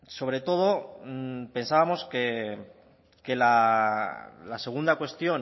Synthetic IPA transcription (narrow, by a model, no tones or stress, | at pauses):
so̞β̞ɾe̞t̪o̞ð̞o̞ | pe̞nsaβamo̞ske | ke̞la | lase̞ɣ̞und̪akwe̞st̪jo̞n